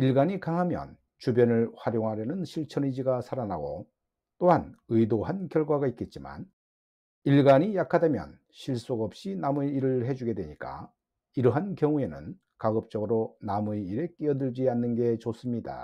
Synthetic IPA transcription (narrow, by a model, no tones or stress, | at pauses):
iɭɡaɲikaŋɦamjʌ̰n | t͡ɕubjʌnɯɭɸwaɾjoŋɦaɾjʌnɯnɕʰiɭt͡ɕʰʌnid͡ʑiɡasʰaɾanaɡo̰ | t͈oɦanɯjdoɦankjʌɭɡwaɡaik͈e̞t̚t͡ɕ͈ima̰n | iɭɡaɲijakʰadamjʌ̰n | ɕʰiɭs͈oɡʌp̚ɕ͈inamuiɾɯɭhe̞d͡ʑuɡe̞dwe̞ɲik͈a̰ | iɾʌɦankjʌŋue̞nɯ̰n | kaɡɯp̚t͡ɕ͈ʌɡɯɾonamueiɾe̞k͈iʌdɯɭd͡ʑianːɯnɡe̞t͡ɕos͈ɯmɲida̰